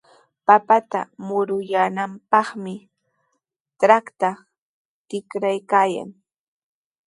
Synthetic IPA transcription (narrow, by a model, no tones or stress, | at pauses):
papat̪a̰mʊɾʊjanampɑχmɪ | tɾakt̪a | t̪ɪkɾajkaːja̰ŋ